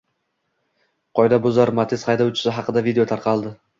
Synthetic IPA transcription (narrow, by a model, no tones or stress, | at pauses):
qʰɒjd̪abʊzaɾmat̪ʰɪsχɑjd̪awʊt͡ʃʰɪ̥sɪɦɑqɨd̪avid̪eo̞t̪ʰaɾqʰɑlˠd̪ɪ